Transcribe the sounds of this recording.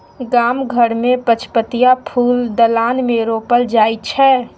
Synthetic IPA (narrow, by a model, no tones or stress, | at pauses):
ɡaːmɡʱəɽmẽpət͡ʃʰpət̪ijapʰuːld̪əlaːnmeɾopəld͡ʒaːit͡ʃʰɛː